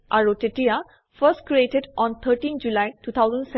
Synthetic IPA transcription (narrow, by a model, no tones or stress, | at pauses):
ʔaɾoʈeʈia | fəsʈkɾieʈeɖɔ̃nt̪ʰəɾʈĩnd͡ʒulajʈuːt̪ʰaʊzə̃nɖsɛ